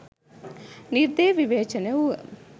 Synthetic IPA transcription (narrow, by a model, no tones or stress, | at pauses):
niɾd̪eːʋiʋeːt͡ʃɐneu